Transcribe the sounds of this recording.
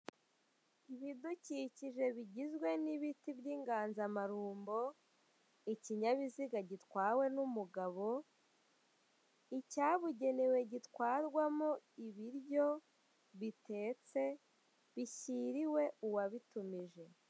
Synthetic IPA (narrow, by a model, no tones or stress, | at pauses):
iβiduciːciʒe̞βiɟizɡwe̞niβitibjiːŋɡaːnzamaɾuːmbo̞ | iciɲaβiziɡaɟitkwaːwe̞numuɡaβo̞ | icaːβuɟe̞newe̞ɟitwaːɾɡwamoiβiɾjo̞ | βitʰe̞ːt͡se̞ | βiçiɾiwe̞uwaβitumiʒe̞